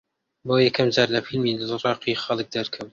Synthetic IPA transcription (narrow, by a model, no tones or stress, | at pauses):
boːjɛkʰɐmd͡ʒɑːɾlɐfilmilalɨɾˤɑːqixɐlˠɨk̚d̪ɐɾkʰɨm